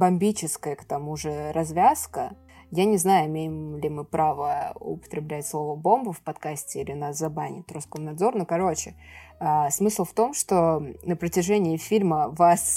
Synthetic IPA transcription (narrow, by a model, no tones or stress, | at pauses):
bɐmʲbʲit͡ɕɪskəjəkt̪ɐmuʐɨɾɐzvʲaskə | janʲɪznajʊɪmʲejɪmlʲɪmɨpɾʔavəʊ̰pə̥t̪ɾʲɪblʲætʲslˠo̞vəbo̞mbʊfpɐt̪kasʲtʲɪilʲɪnaszɐbanʲɪ̰t̪ɾʊskomnɐd̪zo̞rnokɐɾo̞t͡ɕɪasmɨslˠft̪o̞mʂt̪o̞nəpɾətʲɪʐɛnʲɪːfʲilʲməvas